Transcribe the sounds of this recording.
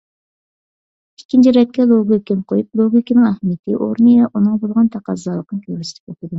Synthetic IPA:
ikʲʰːint͡ʃʰiɾɛt̪̚kʲɛlˠoɡʲikʲinqʰojuplˠoɡʲikʲinɨŋæhmit̪ʰɪʔo̰ɾnɨjɑʔunɨŋbolˠʁɑnt̪ʰɑqɑzːɑlˠəqnɨkʲʰøɾɪsɪlɪ̥p̚et̪ɪd̪u

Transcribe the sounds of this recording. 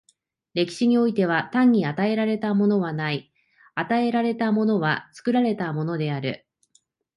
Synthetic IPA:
ɾe̞kʲi̥ɕiɲ̟io̞it̪e̞β̞at̪ãɲ̟ːiat̪ae̞ɾaɾe̞t̪amo̞no̞βanai | at̪ae̞ɾaɾe̞t̪amo̞no̞β̞at͡sɨ̥kɯ̟ɾaɾe̞t̪amo̞no̞d̪e̞aɾɯ̟̰

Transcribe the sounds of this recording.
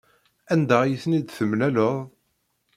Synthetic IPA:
ænd̪æjiθnid̪θəmnæləðˤ

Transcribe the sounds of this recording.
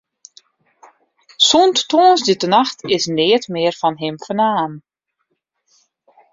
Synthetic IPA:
sonttoːnsditənaxtʰɪsnɪːətmɪərfɔnɦɪmfənaːn

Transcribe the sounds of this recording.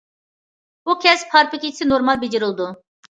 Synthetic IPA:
bukʲʰɛspʰɑɾpɪkʲisɪnoɾmɑlˠbed͡ʒɪɾɪlˠd̪u

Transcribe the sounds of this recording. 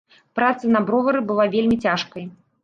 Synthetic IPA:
pɾat̪sɐnɐbɾɔvɐɾɨbɨlˠavʲelʲmʲit͡sʲaʂkɐj

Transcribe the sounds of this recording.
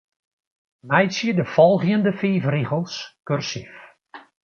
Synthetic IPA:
mɛjsiədəfɔlˠɣjəndəfiːfriɣəlˠskørsif

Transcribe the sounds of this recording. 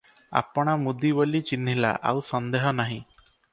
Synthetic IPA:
a̰pɔɽ̃amud̪ibɔlit͡ʃinɦila̰ʔa̰wsɔnd̪eɦɔnaɦĩ

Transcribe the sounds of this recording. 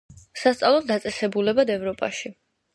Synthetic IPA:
sast̪sʼalˠɔld̪at̪sʼɛsɛbulɛbad̪ɛvɾɔpʼa̰ʃi

